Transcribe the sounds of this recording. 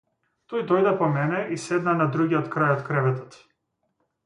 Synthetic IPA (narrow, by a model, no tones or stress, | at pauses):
t̪ɔjd̪ɔjd̪ɛpɔmɛnɛisɛd̪nanad̪ɾuɡʲiɔt̪kɾajɔt̪kɾɛvɛt̪ɔt̪